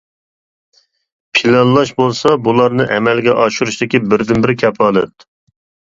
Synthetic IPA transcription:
pʰilɑnlˠɑʃbolˠsɑbulˠɑɾnɨʔɛmɛlɡʲɛʔɑʃuɾuʃt̪ɪkʲibɪɾd̪ɪnbɪɾkʲʰɛpɑːlˠɛ̰t̪̚

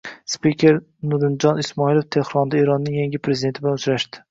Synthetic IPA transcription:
spikʲʰe̞ɾ | nʊɾɪnd͡ʒɒnɪsmɒilˠoft̪ʰe̞hɾɒnd̪aeɾɒnːɪŋjaŋɡʲɪpʰɾezɪd̪et̪ʰɪbɪlanʊt͡ʃɾaʃd̪ɪ̥

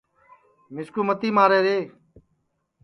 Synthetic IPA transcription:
mɪskuːmət̪iːmaːɾeːɾeː

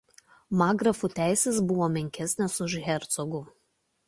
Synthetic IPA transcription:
mɑːɡɾɐfʊˑt̪ʲæˑɪsʲeːsbʊʋoːmʲɛŋʲkʲɛsʲnʲesʊʃɣʲɛɾt̪sɔɡʊ

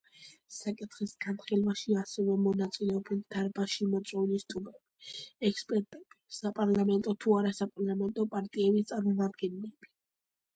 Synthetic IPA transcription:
sakʼit̪ʰχisɡanχilˠvaʃiasɛvɛmɔnat̪sʼilɛɔbɛld̪̥aɾbaʃimɔt̪sʼɔulist̪ʼumɛb̥iɛkspʼɛɾt̪ʼɛb̥isapʼaɾlamɛnt̪ʼɔt̪ʰuaɾasapʼaɾlˠamɛnt̪ʼɔpʼaɾt̪ʼiɛbist̪sʼaɾmɔmad̪ɡɛnilɛb̥i

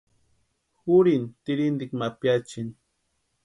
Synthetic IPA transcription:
huɾint̪ɪɾind̪ikmapjat͡ʃin

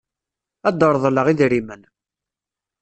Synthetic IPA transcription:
æd̪əɾˤðˤləʁiðɾimən

